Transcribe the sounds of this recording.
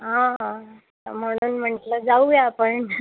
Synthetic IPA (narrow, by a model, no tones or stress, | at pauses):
ɦãɦã | t̪ə̰m̤əɽ̃uːnm̤əɳʈləd͡zauʋjaːpəɳ